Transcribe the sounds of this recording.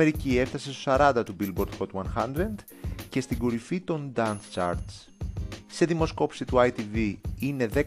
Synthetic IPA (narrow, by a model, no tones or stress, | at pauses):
eɾicie̞ft̪ɐse̞st̪osɐɾɐnd̪ɐt̪ubilbo̞ɾd̪xo̞t̪wɐnxɐnd̪ɾend̪ | ce̞st̪iŋɡoɾifit̪o̞nd̪ɐnst͡ʃɐ̰ɾs | se̞ðimo̞sko̞psit̪uɐjt̪iviine̞ðe̞